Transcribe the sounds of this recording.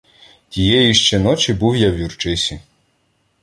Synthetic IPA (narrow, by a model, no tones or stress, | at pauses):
t̪ʲijɛjiʃt͡ʃɛnɔt͡ʃibuwjawjurt͡ʃɪsʲi